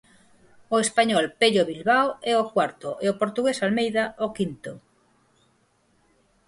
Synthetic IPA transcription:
oespaɲɔlpeʎoβilβawɛokwaɾt̪oʔeopoɾt̪uɣesalmejðaokint̪o

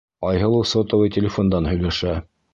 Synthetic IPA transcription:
ɑjɦɤlˠusot̪ŏwɤjt̪ʲɪlʲɪfond̪ɑnɦɵ̆jlæʃæ

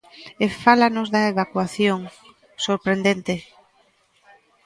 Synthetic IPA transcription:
efalanozðaeβakwaθjoŋ | soɾpɾend̪ent̪ɪ

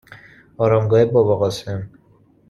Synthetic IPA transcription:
ɒːɾɒːmɡɒːhebɒːbɒɣɒːsem

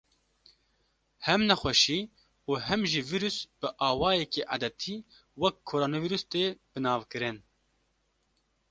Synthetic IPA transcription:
hɛmnɛxʷɛʃiː | uːɦɛmʒiviːɾusb̥ɨʔɑːwɑːjɛkiʔa̰d̪ɛt̪ʰiː | wɛkʰːoːɾoːnoviːɾust̪eːbɨnɑːvkɨɾɨn

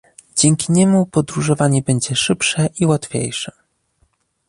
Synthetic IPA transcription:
d͡ʑɛŋkʲiɲɛmupɔd̪ɾuʐɔvaɲɛbɛɲd͡ʑɛʂɘpʂɛʔiwat̪fʲjḛjʂɛ̥

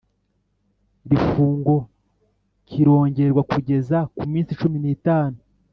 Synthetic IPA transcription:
ɾifuːŋɡo̞ | ciɾo̞ːɲɟe̞ɾɡwakuɟe̞zakumiːnsit͡ʃuminitaːnu

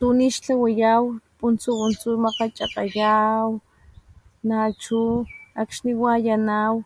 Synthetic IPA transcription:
t̪uniʃt͡ɬawajawpʼunt͡suunt͡sumaqat͡ʃʼaqʼajaw | nat͡ʃuakʃniwajanaw

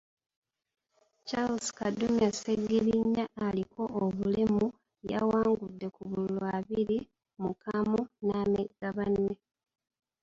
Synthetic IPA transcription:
t͡ʃalskadːumaseɡːiβiɲːaːliko̞ːβulemu | ja̰waːŋɡudːe̞kuβululoaβiɾi | mukamunaːmeɡaβanːe

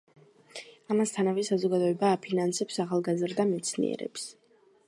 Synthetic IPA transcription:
amast̪ʰanavɛsazɔɡad̪ɔɛbaːpʰinansɛpsaχalˠɡazɾd̪amɛt̪sʰnḭʔɛ̰ɾɛ̰ps

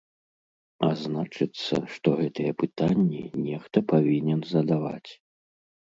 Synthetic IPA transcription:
aznat͡ʂɨt̪sːɐ̰ʂt̪ɔɣɛt̪ɨjɛpɨt̪anʲːḭnʲɛxt̪ɐpavʲinʲɛnzɐd̪ava̰t͡sʲ

